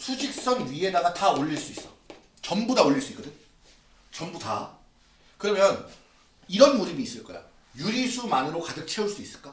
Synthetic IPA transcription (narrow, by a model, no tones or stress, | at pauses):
sʰud͡ʑik̚s͈ʌŋɥie̞naɾataoʎːiɭs͈uis͈ʌ̥ | t͡ɕʌmbudaoʎːiɭs͈uik͈ʌdɯɲ | t͡ɕʌmbuta̰ | kɯɾʌmjʌn | iɾʌnmuɾibiːs͈ɯɭk͈ʌ̰jo̰ | juɾisʰumanɯɾokadɯk̚t͡ɕʰe̞uɭs͈uis͈ɯ̥ɭk͈a